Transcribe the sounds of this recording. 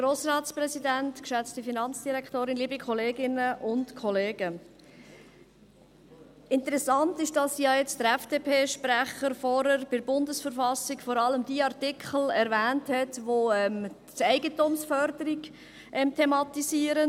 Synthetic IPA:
ɡ̥ɾoːsɾɑːtt͡spɾɛsidæntkʃæt͡stifinɑnt͡sd̥iɾɛkʰtoːɾɪnliːbikʰχɔleːɡɪnəʔʊntkʰɔleːɡə | ɪntəɾɛsɑntɪʃd̥ɑsjɑːjɛt͡sd̥əɾɛfd̥eːpʰeːʃpɾæχəɾfɔɾəɾb̥ɪɾbʊndəsfəɾfɑsikfɔɾɑləmdiːɑɾtɪkʰχl̩ɛɾvæːnthɛtʋoɛm | tɛɪɡətʊmsfœɾdəɾiɡ | ʔɛmtʰemɑtisiːəɾən

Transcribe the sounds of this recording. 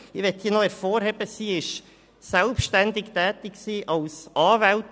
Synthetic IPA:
ɪʋɛt̪hiːənoɛɾfoːɾhɛbəsiːɪʃ | sɛlpʃtænd̪ɪkt̪ɛːt̪ɪksiːʔɑlsʔɑːvælt

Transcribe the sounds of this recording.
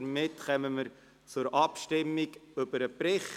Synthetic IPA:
ɾmɪtχɛməməɾ | t͡sʊɾʔɑpʃtɪmːiɡʏb̥əɾəpɾɪχ

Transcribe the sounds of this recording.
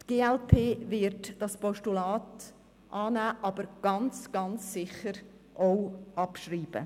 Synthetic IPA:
tɡ̥eːɛlpʰeːvɪɾdd̥ɑspɔʃtulaːt | ʔɑːnæːʔɑbəɾɡ̥ɑnt͡sɡ̥ɑnt͡sːɪçəɾ | ʔoʊɑpʃriːb̥ə̰

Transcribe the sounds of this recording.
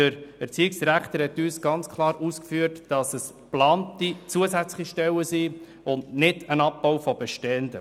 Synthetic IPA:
əɾɛɾt͡siːɪksɾæχt̪əɾhɛtyːsɡ̥ɑnt͡skʰlˠɑːɾuskfyəɾtd̥ɑsəs | plɑːntit͡suəsæt͡slə̥χiʃtɛwəsiː | ʊndnɪdənɑp̚ːɔwfɔbeʃtɛndə

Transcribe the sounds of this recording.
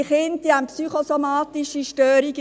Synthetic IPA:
χɪnt̚d̥iampsyχosomɑːt̪iʃiʃtœːɾiɡ

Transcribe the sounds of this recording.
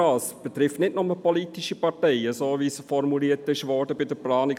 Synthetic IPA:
ɑːsb̥ɛtɾɪftnɪtnʊməpɔliːtiʃipɑɾtɛɪəsoːʋisfɔɾmuliːətɪʃʋɔɾdəbɪdəplɑːnɪ

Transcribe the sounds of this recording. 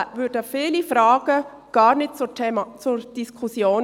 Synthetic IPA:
ʋʏːɾdəfiːlifɾɑːɡ̥ə | ɡ̥ɑːɾnɪt̚t͡sːt͡sʊɾd̥iskʰusjoːn

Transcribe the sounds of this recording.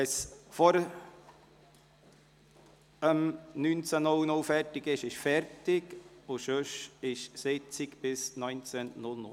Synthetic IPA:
ɛsfɔɾ | əmnyːnt͡sənɔlnʊlfɛɾtɪɡɪʃɪʃfɛɾtɪɡʊʃøʃɪʃsɪt͡sɪkbɪsnœʏnt͡sɛnnʊlnʊ

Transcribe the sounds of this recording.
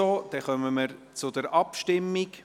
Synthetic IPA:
oːd̥̪ɛχœməməɾt͡sʊd̥̪əɾɑpʃtɪmːik

